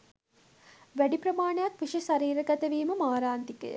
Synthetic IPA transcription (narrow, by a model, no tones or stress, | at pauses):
ʋæɖipɾɐmaːɳɐjakʋiʂesaɾiːɾəɡæt̪əʋiːməmaːɾaːnt̪ikə̰jə̰